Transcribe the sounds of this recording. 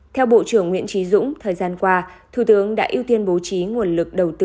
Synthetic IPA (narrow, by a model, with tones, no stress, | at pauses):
t̪ʰɛ˧wɓo̰˧˨t͡ɕɨ˧˩əŋːwḭ˧˥ənt͡ɕi˨˦zʊ̰˧˥ŋ͡mt̪ʰəː˨˩jzaː˧nkwaː˧t̪ʰu˨˧˩t̪ɨ˨˦əŋɗa̰ː˧˥ʔi˧wt̪i˧ənɓo˨˦t͡ɕi˨˦ŋu˨˩ənlɨ˨˩k̚ɗə˨˩wt̪ɨ˧